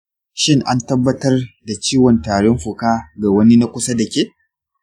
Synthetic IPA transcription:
ʃɪ˦ŋʔa˦ntɐ˦bːɐ˦tɐ˦rda˨t͡ʃiː˦wɔ˨ntaː˨ɽɪ˦mɸʊ˨kaː˦ɡa˨wɐ˦ni˦na˦kʷʊ˦sa˦dɐ˨kʲeː˦

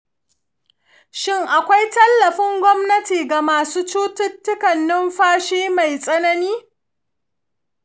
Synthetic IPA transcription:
ʃɪ˦ŋʔa˨kʷa˦jtɐ˦lːɐ˨ɸɪ˦ŋɡʷɔ˦mnɐ˦tiː˨ɡa˨maː˨suː˦t͡ʃuː˦tʊ˦tːʊ˦kɐ˨nːɪ˦mɸaː˦ʃeː˦ma˨jsʼɐ˦nɐ˦niː˦

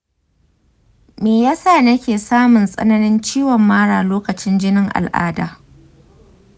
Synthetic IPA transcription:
meː˨jaː˦saː˦˨nɐ˦kʲeː˨saː˦mʊ˨nsʼɐ̰˦nɐ˦nɪ˦nt͡ʃiː˦wɔ˨mːaː˦ɽaː˨loː˦kɐ˨t͡ʃɪ˦nd͡ʒɪ˦nɪ˦ŋʔa̰˨lʔa̰ː˦da̰ː˨

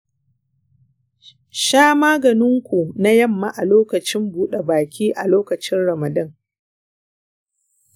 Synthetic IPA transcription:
ʃaː˦maː˦ɡɐ˨nɪ˦ŋkʷu˨na˦jɐ˦mːa˦ʔa˨loː˦kɐ˨t͡ʃɪ˦mbuː˦ɗe˨baː˨kʲʰiː˦ʔa˨loː˦kɐ˨t͡ʃɪ˦nɽɐ˨mɐ˨dɐ˦ŋ

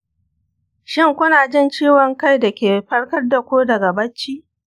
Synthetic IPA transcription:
ʃɪ˦ŋkʷʊ˦naː˨d͡ʒɪ˦nt͡ʃiː˦wɔ˨ŋka˦jdɐ˨kʲeː˨ɸɐ˦ɽkɐ˦rda˨kʷoː˦dɐ˨ɡa˨bɐ˦t͡ʃːiː˦

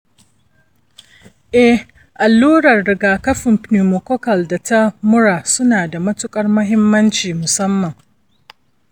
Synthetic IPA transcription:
ʔɛ˦h | ʔa˨lːuː˦ɽɐ˨rːɪ˨ɡaː˨kɐ˦ɸɪ˨mpni˨mo˨kɔ˦kɐ˨lda˨ta˦mʊ˦ɾaː˨sʊ˦naː˨da˨mɐ˦tʊ˦kʼɐ˦rmʊ˦ɦɪ˦mːɐ˦nt͡ʃiː˨mʊ˨sɐ˦mːɐ˨ŋ

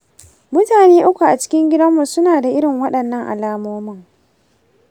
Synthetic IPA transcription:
mʊ˦taː˨neː˦ʔʊ˦kʷu˨ʔa˨t͡ʃɪ̥˦kʲɪ˦ŋɡʲɪ˦dɐ˦mːu˨sʊ˦naː˨da˨ʔɪ˦ɽɪ˨ŋwɐ˦ɗɐ˨nːɐ˦ŋʔa̰˨laː˦moː˦mʊ˦˨ŋ

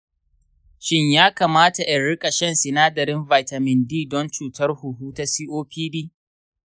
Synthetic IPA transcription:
ʃɪ˦ɲjaː˦kaː˨maː˦ta˨ʔɪ˨nɽɪ˦kʼa˨ʃɛ˦nsɪ˨naː˦dɐ˨ɾɪ˦nva˨jtɐ˨mɪ˨ndiː˦˨dɔ˦nt͡ʃuː˨tɐ˦rhʊ˨ɦuː˦ta˦siː˦ʔoː˦ɸiː˦biː˦

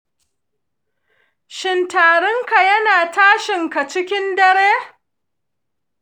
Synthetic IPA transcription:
ʃɪ˨ntaː˨ɽʊ˦ŋka˨jɐ˦naː˨taː˦ʃɪ˨ŋka˨t͡ʃɪ˦kʲɪ˦ndɐ˦ɽeː˦

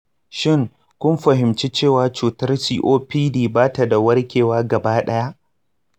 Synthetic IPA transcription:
ʃɪ˦˨ŋ | kʷʊ˦mɸɐ˨ɦɪ˨mt͡ʃe˦t͡ʃeː˦˨waː˦t͡ʃuː˨tɐ˦rsiː˦ʔoː˦piː˦diː˨baː˦ta˨da˨wɐ˦rkʲeː˨waː˦ɡɐ˨baː˦ɗɐ˦ja˦ʔ

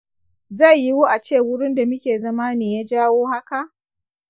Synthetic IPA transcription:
za˦˨jːi˦wu˦ʔa˨t͡ʃeː˦˨wʊ˦ɽʊ˦nda˨mʊ˦kʲeː˨zɐ˦maː˦neː˨jaː˦d͡ʒaː˦woː˦ha˦ka˨ʔ

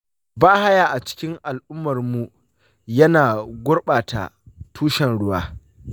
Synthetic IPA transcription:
baː˦ha˦jaː˨ʔa˨t͡ʃɪ̥˦kʲɪ˦ŋʔa˨lʔʊ˦mːɐ˨rmu˨ | jɐ˦naː˨ɡʷʊ˦rɓaː˨ta̰˨tʰuː˦ʃɛ˨nɽʊ˦waː˦

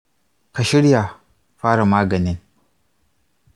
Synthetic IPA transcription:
ka˨ʃi˦ɽja˨ | fa˦ɾa˨maː˦ɡɐ˨ni˦n

